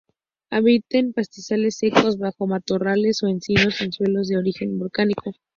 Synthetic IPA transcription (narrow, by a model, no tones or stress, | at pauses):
aβit̪e̞mpast̪isale̞sːe̞ko̞zβaxo̞mat̪orale̞so̞ensino̞senswe̞lo̞zðe̞o̞ɾixe̞mbolkaniko̞